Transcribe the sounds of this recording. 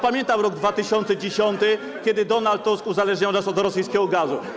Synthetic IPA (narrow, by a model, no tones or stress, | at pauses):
pamʲjɛnt̪awɾɔɡd̪vat̪ɘɕɔnt̪sɛd͡ʑeɕɔnt̪ɘ | kʲɛd̪ɘd̪ɔnalt̪ːuskuzalɛʐɲawnasɔd̪ɾɔsɘjskʲɛɡɔɡazu